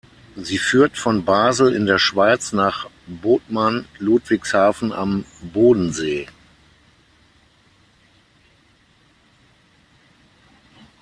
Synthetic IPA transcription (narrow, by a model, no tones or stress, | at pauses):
ziːfyːɐtfɔnbaːzl̩ɪ̰ndeːɐʃv̥aɪt͡snaːχ | boːtmanluːtv̥ɪkshaːfn̩a̰mboːdn̩zeː